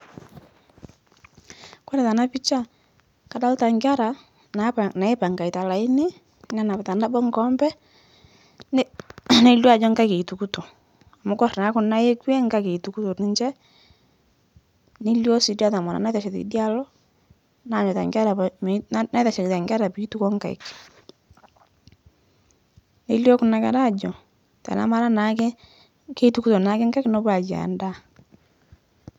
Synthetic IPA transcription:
kwa˦ɾɛ˨ta˨na˦pi˦t͡ʃa˦ | ka˨da˦lʊ˦ta˨ŋɡʲa˦ɾa˨ | na˨a˨na˨ɪ˦pa˨ŋɡa˨i˨ta˨la˨ɪ˦nɪ˦ | nɛ˦na˨bta˨na˦bɔ˦ŋkɔ˦mbɛ˦ | n˦ne˦lo˦a˨d͡ʒɔ˦ŋɡa˦ke˨i˨tu˨ku˦to˨ | a˨mʊ˦kɔ˦ɾna˨˦kʊ˦na˦je˦kwe˦ŋka˦ke˨i˨tu˨ku˦to˨nɪ˦nt͡ʃɛ˦ | ne˦ljo˦si˨da˦ta˨mɔ˨na̰˨na˦ta˨ʃɛ˨tḭ˨˦dja˦lɔ˦ | na˨˦˨ɲɔ˨ta̰˨ŋɡa˦ɾa˨ | na˦ða˨ʃɛ˨kta˨ŋɡa˦ɾa˨pi˦i˦tu˦kɔ˦ŋka˨ɪ̰˨k | ne˦ljo˦kʊ˨na˨kɛ̰˨ɾa˦˨d͡ʒɔ˨ | ta̰˨na̰˨˦ma˦ɾa˦na˨˦ke˦ | ke˦i˦tu˨˦ku˦tɔ˨na˨˦kɪ˦ŋka˦knɔ˦pa˨d͡ʒa̰˨nda˦

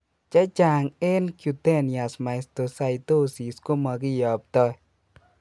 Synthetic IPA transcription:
t͡ʃa˦t͡ʃa˨ŋɪ˦nkju˨t̪e˦ni˨a˨sma˨ɪst̪o˨sa˨it̪o˦si˨sko˦ma˨ɡɪ˦jɔ˨p̚t̪ɔ˦

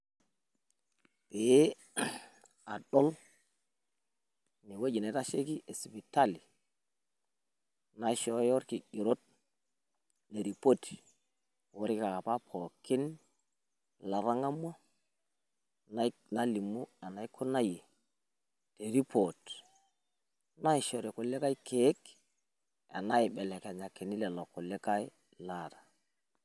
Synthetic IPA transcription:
pe˨˦ | a˨ɗo˦l | ni˨we˦d͡ʒi˨ne˨ta˦ʃe˦ki˦ʔe˨si˨bi˨ta˦˨li˨ | na˦ʃo˦jo˦ɾki˨ʔi˨ɾo˦t̚ | le˨ɾi˨po˦ti̥˨ | wo˦ɾi˦ka˨ka˨pa˦pʰo˨ki˦n | la˨ɾa˦ŋa˦mo˦ | n˦na˦li˨mu˦a˨na˨i˦kʰʊ˦na˦je˨ | te˨ɾi˦po˨t | na˦i˨ʃɔ˨ɾe˨kʊ˨le˦ka˦i˦kʰe˦k | a̰˨na˦ɪ˨ɓɛ˨lɛ˨ka˨ɲa˨ki˨ni˦lɛ˨lɔ˨kʊ˨lɪ˦ka˦i˦ | la˨ta˨

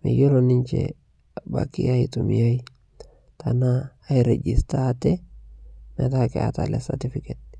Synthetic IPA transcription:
mḭ˨jo˦lonɪ˦ɲt͡ʃḛ | ba̰kḭ˦a˦itu˨mija˦i˦ | tanaː˦ | iɾe˨d͡ʒi˨staː˦tɛ˦ | mɛ̰˨takɛ̰a̰ta̰lɛsati˦fiket̚

